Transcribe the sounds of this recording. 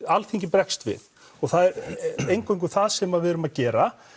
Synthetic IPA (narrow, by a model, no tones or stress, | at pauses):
alθiŋcɪpɾɛkst̪vɪ̰ð | ɔɣθaðɛɾejŋkojŋkʏ̥θaðsɛmaðvɪʏɾʏmaðcɛːɾa